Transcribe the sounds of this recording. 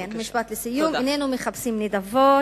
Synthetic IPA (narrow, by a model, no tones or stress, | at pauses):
nmiʃpat̪lesijuminenumeχapsimnidavo